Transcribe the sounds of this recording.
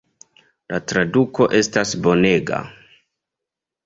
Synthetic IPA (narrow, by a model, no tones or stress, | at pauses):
latɾaduko̞ʔe̞stasbo̞ne̞ɡa̰